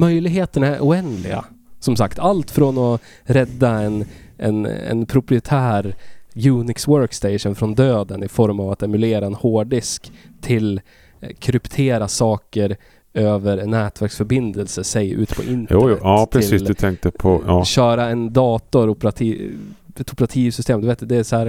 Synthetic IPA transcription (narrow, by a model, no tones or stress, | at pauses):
mœjlɪɡɦeːt̪əɳaæɾʔʊɛnd̪lɪ̰ɡa̰ | sɔmsakt̪ʰalt̪fɾɔnɔ | ɾɛd̪ːaɛnɛ̰nɛ̰npʰɾʊpɾɪɛt̪ʰæːɾjʉːnɪkswœɾkst̪ɛɪʂənfɾɔnd̪øːd̪ənɪfɔɾmavat̪ɛmɵleːɾaɛnhoːɖɪskt̪ʰɪl | kʰɾʏpt̪ʰeːɾasɑːkəɾ | øːvəɾnæːt̪væɾksfœɾbɪnd̪əlsəsɛjʉ̰ːt̪pʰɔ̰ʔɪnt̪ːɑpʰɾɛɪiːsɵt̪ʰɛŋk̚t̪əpʰɔːɕœːɾaɛnd̪ɑːt̪ɔɾɔpɾat̪ʰiːɛt̪ɔpəɾat̪ʰiːvsʏst̪eːmd̪ɵveːt̪d̪ɵd̪ɛːsɔhæːɾ